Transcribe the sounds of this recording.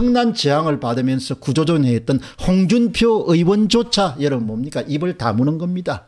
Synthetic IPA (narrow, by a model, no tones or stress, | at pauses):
ɯŋnant͡ɕeɦaŋɯɭpadɯmjʌnsʰʌkud͡ʑod͡ʑonɦeet̚t͈ʌn | hoŋd͡ʑunpʰjoɯiwʌnd͡ʑot͡ɕʰajʌɾʌnbʌmɲik͈aʔibɯɭta̰munɯnɡʌmɲida